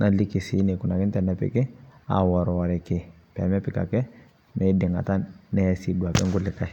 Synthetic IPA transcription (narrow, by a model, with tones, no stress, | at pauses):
nʔa˨li˦ki˨si˦ne˨ku˨na˨ki˦n˦tɛ˨na˨pḭ˨kɛ˦a̰˨wɔ˨ɾɔ˨wa˨ɾɛ˨ke˨ | pɛ̰˨mɛ˦pi˨ka̰˨kɛ˦ | mɛ˦di˨ŋa̰˨ta˦nːɛ˦si˦du˨a˨kɛ̰˦ŋɡu˦li˨ka˦j